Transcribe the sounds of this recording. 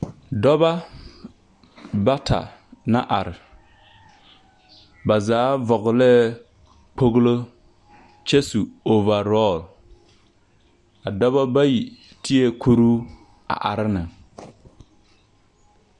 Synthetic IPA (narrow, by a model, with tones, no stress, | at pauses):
dɔ˦ba˦ | ba˦tʰa̰˨na˦ʔa˨ɾɪ˨ | ba˨zaː˨˦vɔ˨ɣlɛ˦ | k͡po˦ɣlo˦ | t͡ʃɛ˦su˨o˨va˨ɾɔ˦˨l | a˨dɔ˦βa˦ba˦ji˨ | ti˦e˦kʰo˦ɾuː˦ | a̰˨ʔa˨ɾɪ˦nɨ˨